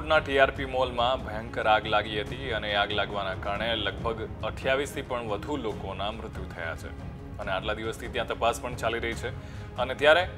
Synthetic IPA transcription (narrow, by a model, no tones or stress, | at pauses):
ʈnaʈiaɾpimolmãbʱɛ̃ŋkəɾaɡlaɡiɦət̪iəneaɡlaɡʋanakaɾɳeləɡ̚bʱəɡəʈʰjaʋist̪ʰipəɳʋəd̪ʱulokonamɾʊt̪jut̪ʰəja̰t͡ʃʰḛ | əneaʈlad̪iʋəst̪ʰit̪jãt̪əpaspəɳt͡ʃaliɾəɦit͡ʃʰe | ənet̪jaɾe